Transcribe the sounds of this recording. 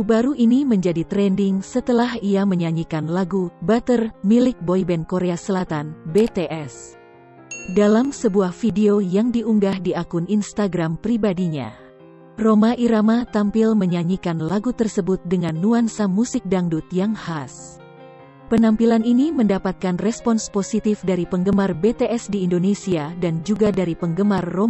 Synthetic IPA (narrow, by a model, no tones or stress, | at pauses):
ubaɾuʔiniməɲd͡ʒadit̪ɾɛndiŋsət̪əlahiaməɲaɲikanlaɡubat̪ərmilɪk̚boibɛnkoɾeasəlat̪anbet̪eʔɛs | dalamsəbuahfideojaŋdiʔuŋɡahdiakʊninst̪aɡɾampɾibadiɲa̰ | romaʔiɾamat̪ampilməɲaɲikanlaɡut̪ərsəbʊt̪̚dəŋanːuansamusɪk̚daŋdut̪jaŋhas | pənampilaniniməndapat̪̚kanrɛspɔnsposit̪ifdaɾipəŋɡəmarbet̪eʔɛsdiːndonesiadand͡ʒuɡadaɾipəŋɡəmarːo